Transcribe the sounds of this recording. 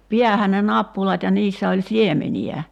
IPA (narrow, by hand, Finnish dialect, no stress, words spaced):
piæhæn ne nɑpːulɑt jɑ niːsːæ olʲ siemeniæ